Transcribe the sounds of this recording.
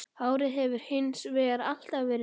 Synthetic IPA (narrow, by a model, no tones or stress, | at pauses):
aːwɾɪðɦɛvʏɾ̥hɪnsvɛːɣaɾal̥t̪avɛːɾɪ